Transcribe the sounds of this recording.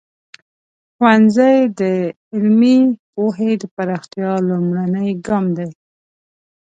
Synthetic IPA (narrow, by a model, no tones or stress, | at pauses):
xwanzajd̪ə | ɪlmipoɦed̪əpaɾɑxt̪jɑlumɽanəjɡɑmd̪aj